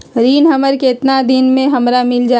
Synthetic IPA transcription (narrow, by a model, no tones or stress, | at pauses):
ɾiːnɦəməɾkeɪt̪nad̪ɪnmẽɦɐmɾamɪld͡ʒaː